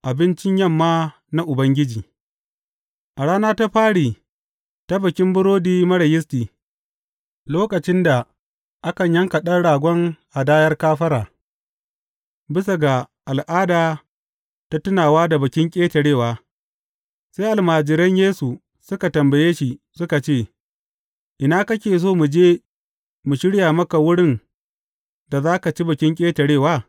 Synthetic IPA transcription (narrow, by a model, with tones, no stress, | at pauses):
ʔa˨bɪ˦nt͡ʃɪ˦ɲjɐ˦˨mːaː˦ | na˦ʔʊ˨bɐ˦ŋɡʲɪ˦d͡ʒiː˨ | ʔa˨ɽaː˦naː˦ta˦ɸaː˦ɽiː˨ | ta˦bɐ˨kʲɪ˦mbʊ˦ɾoː˦diː˦mɐ˦ɽɐ˨jɪ˦stiː˨ | loː˦kɐ˨t͡ʃɪ˦nda˨ | ʔa˦kɐ˨ɲjɐ˦ŋkɐ˨ɗɐ˦nɽaː˨ɡʷɔ˦ŋʔa˨daː˦jɐ˦rkaː˦ɸɐ˦ɾaː˨ | bɪ˦sa˨ɡa˨ʔa˨lʔaː˦daː˨ | ta˦tʊ˦naː˨waː˦da˨bɐ˨kʲɪ˦ŋkʲʼeː˦tɐ˨ɽeː˦˨waː˦ | se˦ʔa˨lmaː˨d͡ʒɪ˨ɾɐ˦ɲjeː˦su˨ | sʊ˦ka˨tɐ˨mbɐ˨jeː˦ʃi˨ | sʊ˦ka˨t͡ʃeː˦˨ | ʔɪ˨naː˦kɐ˦k̬ʲeː˨s̬oː˦mu˨d͡ʒeː˦ | mu˨ʃɪ˦ɽjaː˨mɐ˦ka˨wʊ˦ɽɪ˦n | da˨zaː˦ka˨t͡ʃi˦bɐ˨kʲɪ˦ŋkʲʼeː˦tɐ˨ɽeː˦˨waː˦